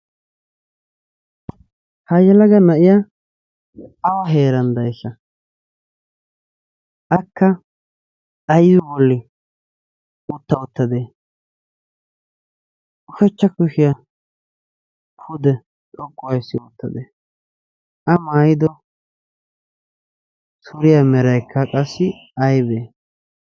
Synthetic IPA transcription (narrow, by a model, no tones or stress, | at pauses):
hɐjɐlɐɡɐnɐʔɪja | ɐwɐɦeːɾɐnd̪ɐjsːɐ | ʔɐkːɐ | ʔɐjdʊbɔlːɪ | ʊt̪ːɐʊt̪ːɐd̪e | ʔʊfɛt͡ʃːɐkʊʃɪjɐ | kʰʊd̪ɛ | tʼɔkʼːʊwɐjsːɪʊt̪ːɐd̪eː | ɐmaːjɪd̪ɔ | t̪ʰʊɾɪjɐmɛɾɐjkʰːɐkʼɐsːɪ | ɐjbeː